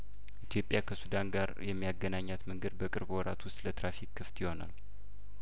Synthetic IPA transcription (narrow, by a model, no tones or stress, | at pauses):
ʔit̪ʰjo̞pʼːjakʰəsud̪anɡaɾjɛmːijaɡːənaɲːat̪məŋɡəd̪̚bəkʼɨɾbwɔɾat̪wʊst̪ʼlət̪ɾafikːɨft̪jɪho̞na̰l